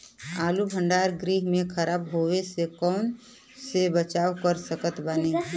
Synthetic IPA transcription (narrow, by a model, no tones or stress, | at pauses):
aːlubʱə̃ɳɖaːɾɡɾiːɦmẽkʰəɾaːbɦoːwesekɔːn | sebət͡ʃaːwkəɾsəkət̪bəne